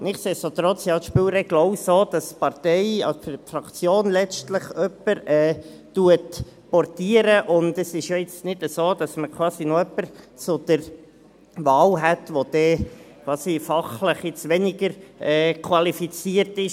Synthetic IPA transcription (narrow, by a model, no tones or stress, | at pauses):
nɪχseːsot̪ɾɔt͡sjɑʃpyːwɾɛɡ̥loʊsoːd̥ɑspɑɾtɛɪɑ̰fɾɑkt͡sjoːnlɛt͡stləχœpːəɾɛː | tuət | pɔrtiːəɾəʔʊndəsɪʃjɔɪt͡snɪd̥əsoːd̥ɑsməkʰwɑːsinɔœpːəɾ | t͡sʊd̪̥əɾ | ʋɑːlɦɛtʋod̪̥ɛkʰwɑːsifɑχləχjɪt͡sʋɛnɪɡəɾɛːkʰwɑlifit͡siːəɾtɪʃ